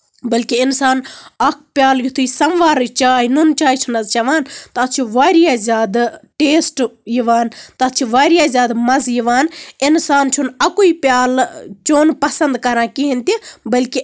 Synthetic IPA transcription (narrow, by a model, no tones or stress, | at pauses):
bɐlkiɪnsaːnɐk̚ʰpjaːljut̪ʰuisɐmʋaːɾt͡ʃaːɦinunt͡ʃaːit͡ʃʰunɐzt͡ʃɐʋaːnt̪ɐt͡ʃʰiʋaːɾijaːzʲaːd̪ʈeːsʈjiʋaːnt̪ɐt̪t͡ʃʰiʋaːɾijaːzʲaːd̪mɐzjiʋaːnɪnsaːnt͡ʃʰunɐkuipjaːlt͡ʃoːnpɐsɐnd̪kɐɾãːkiɦint̪ibɐlki